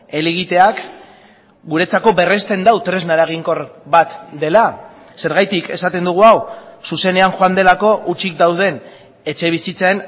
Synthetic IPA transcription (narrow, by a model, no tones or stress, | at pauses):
e̞liɣit̪e̞ak | ɡuɾe̞t͡sako̞βe̞re̞st̪e̞nd̪awt̪ɾe̞znaɾaɣ̞iŋko̞ɾbat̪d̪e̞la | se̞ɾɣajt̪ike̞sat̪e̞nd̪uɣ̞uawsuse̞ne̞aŋxoand̪e̞lako̞ʔut͡ʃik̚d̪awð̞e̞n | e̞t͡ʃe̞β̞isit͡saen